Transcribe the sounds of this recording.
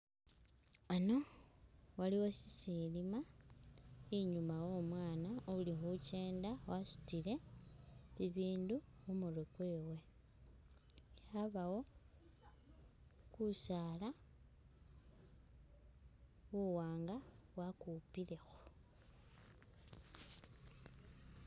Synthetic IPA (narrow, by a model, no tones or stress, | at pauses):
ano̞ | waliwo̞sisilima | iɲumawo̞ːmwaːnaoulixuce̞ːndawasu̥tile̞ | βiβiːnduxumurekwe̞ːwe̞ | xaβawo̞ | kusaːla | βuwaːŋɡaβwakupile̞xu̥